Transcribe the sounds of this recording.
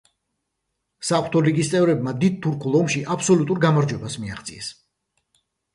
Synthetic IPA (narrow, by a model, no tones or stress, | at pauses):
saχɾt̪ʰɔliɡist̪sʼɛvɾɛbmad̪id̪̚t̪ʰuɾkʰulˠɔmʃiʔapʰsɔlut̪ʼuɾɡamaɾd͡ʒwɛbasmia̰χt̪sʼḭɛs